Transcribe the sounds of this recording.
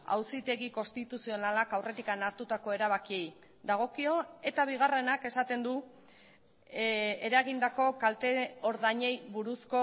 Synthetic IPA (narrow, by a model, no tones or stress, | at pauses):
a̰wsit̪e̞ɣiko̞st̪it̪usio̞nalakawre̞t̪ikanaɾt̪ut̪ako̞e̞ɾaβakie̞j | d̪aɣ̞o̞kio̞e̞t̪aβ̞iɣ̞are̞nake̞sat̪e̞nd̪u | e̞ɾaɣind̪ako̞kalt̪e̞o̞ɾðaɲe̞jβuɾusko̞